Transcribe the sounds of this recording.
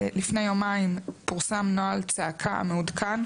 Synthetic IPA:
lifnejomaimpuʁsamnoalt͡saakʰaa̰meudkʰan

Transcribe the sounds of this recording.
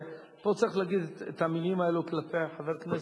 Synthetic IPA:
po̞t͡saʁixlaːɡid̪et̪hamilimaeluklapeaħaveʁkne

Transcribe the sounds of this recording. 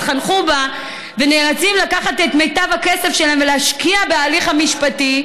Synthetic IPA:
tχanχuba | veneːlat͡simlakaχatetmejtavhakesefʃelaemveleaʃkiabeaːliχhamiʃpati

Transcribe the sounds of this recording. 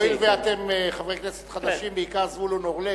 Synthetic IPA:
ilveat̪e̞meχavʁekneset̪χad̪aʃimbeikaʁzvulunoʁle

